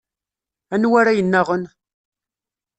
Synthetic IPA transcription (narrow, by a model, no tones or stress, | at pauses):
ænwaɾajənːaʁən